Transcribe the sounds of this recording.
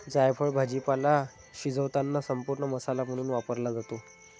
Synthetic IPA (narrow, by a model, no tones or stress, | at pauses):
d͡zajpʰəɭbʱad͡ʑipala | ɕid͡zəʋt̪anːasəmpuɾɳəməsalaməɽ̃uːnʋapəɾlad͡zat̪o